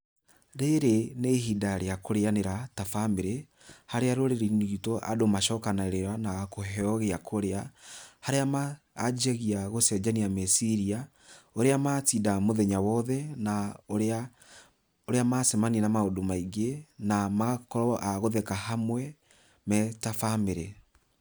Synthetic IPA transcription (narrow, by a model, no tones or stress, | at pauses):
ɾeɾeneɦidaɾeakoɾeaneɾatafameɾe | haɾeaɾoɾeɾiniitoʔa̰domaʃɔkanaɾeɾanakoɦɛɔɣeakʰoɾeahaɾeamaː | d͡ʒɛɣiaɣosɛd͡ʒaniamesiɾia | oɾeamatidamoðɛɲawɔðɛnaoɾa | oɾeamasemaninamaodomaiɡenamaakɔɾɔʔaɣoðɛkahamwɛ | mɛtafameɾe